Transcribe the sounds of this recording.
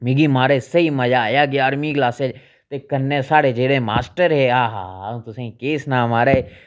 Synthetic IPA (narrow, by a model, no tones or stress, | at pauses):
mɪɡiːmaːɾeːsəimɐd͡ʒaːjaːɡɪaːɾmĩklaːsed͡ʒ | t̪ekɐnːẽsaːɽeːd͡ʒeːɽẽma̰ːsʈəɾɦeːɦaːɦaãt̪ʊsẽĩkeːsnaːmaːɾeː